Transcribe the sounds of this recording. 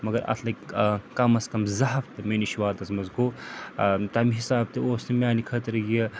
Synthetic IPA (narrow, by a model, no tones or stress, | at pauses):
mɐɡɐɾɐ̰t̪ʰlɐkɐmɐskɐmzɐɦɐft̪ɐmeːniʃiʋaːt̪ɐzmɐzɡoː | t̪ɐmiɦisaːb̚t̪ioːsnɐmʲaːnikʰɐt̪ɐɾɡie